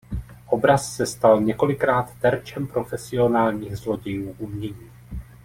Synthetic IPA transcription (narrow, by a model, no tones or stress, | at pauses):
ʔo̞bɾasːɛst̪alɲɛko̞lɪkɾaːt̪ːɛɾt͡ʃɛmpɾo̞fɛsɪo̞naːlɲiːɣzlo̞ɟɪjuːʔumɲɛɲiː